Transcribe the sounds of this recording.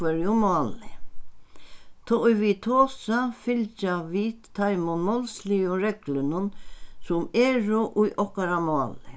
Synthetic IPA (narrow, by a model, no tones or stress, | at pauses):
ɛɾjʊmɑːlɪ | t̪ʰɔʊjʋit̪ʰoːsafɪlt͡ʃaʋiːt̪t̪ʰːajmɔnmɔlsliʊɾɛklənʊnsʊmeːɾʊʔʊjʔɔhkaɾamɔːlɪ